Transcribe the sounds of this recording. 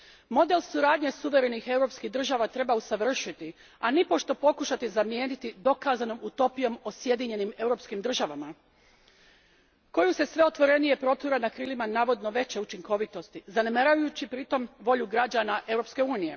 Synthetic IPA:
mo̞d̪e̞lsuɾaːd̪ɲe̞suʋe̞ɾe̞nixe̞wɾo̞pskiɦd̪ɾr̩ʒaʋat̪ɾe̞bausaʋr̩ʃit̪i | anipo̞ʃt̪o̞po̞kuʃat̪izamje̞ːnit̪id̪o̞kaːzano̞mut̪o̞pijo̞mosje̞d̪iɲe̞nime̞wɾo̞ːpskimd̪ɾr̩ʒaʋama | ko̞juse̞sʋe̞o̞t̪ʋo̞ɾe̞nije̞pɾo̞t̪uɾanakɾiːlimanaːʋo̞d̪no̞ʋe̞t͡ɕe̞ut͡ʃiŋko̞ʋit̪o̞st̪izanemaɾajut͡ɕipɾit̪o̞mʋo̞ʎuɡɾad͡ʑanaʔe̞wɾo̞pske̞uːnije̞̰

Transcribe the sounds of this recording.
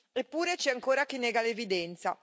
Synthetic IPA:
epːuːɾet͡ʃɛaŋkoːɾak̟inːɛːɡalevid̪ɛnt̪sa

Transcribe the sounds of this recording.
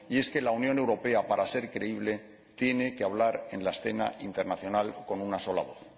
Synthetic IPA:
ie̞ske̞launjõ̞ne̞wɾo̞pe̞apaɾʔase̞ɾkɾe̞iβ̞le̞ | t̪je̞ne̞keaβ̞laɾe̞nlaesθe̞na̰ʔint̪e̞ɾnaθjo̞nalko̞nunaso̞la̰β̞o̞θ

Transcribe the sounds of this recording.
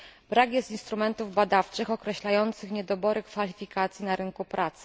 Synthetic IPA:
b̥ɾakjɛst̪inst̪ɾumɛnt̪uvbad̪aft͡ʂɘxɔkɾɛɕlajɔnt̪sɘxɲɛd̪ɔbɔɾɘkfalʲifʲikat̪sʲjinaɾɘŋkupɾʔat̪sɘ̥

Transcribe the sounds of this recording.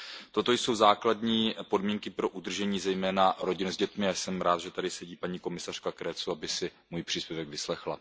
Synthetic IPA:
t̪o̞t̪o̞jso̞wzaːkladɲiːpo̞dmiːŋkɪpɾo̞ʔud̪r̩ʒɛɲiːzɛjmɛːnaɾo̞ɟɪnuzɟɛt̪mɪajsɛmɾaːt̪ʒɛt̪adɪsɛɟiːpaɲiːko̞mɪsar̥kakɾɛːt͡suabɪsɪmuːjpr̝̥iːspjɛvɛɡvɪslɛxla̰

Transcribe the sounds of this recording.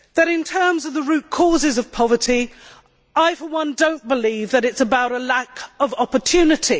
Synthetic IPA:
ðəɾɪ̃ntʰɜːmzəvðəɹʉˑʔ̚kʰɔːzɪzəv̥pʰɒvətʰi | ʔaɪfəwʌ̃ndə̃ʊ̃nb̥ɪliːvðəɾɪtsəbaʊɾəlakəvɒpətʰʉːnɪtʰi

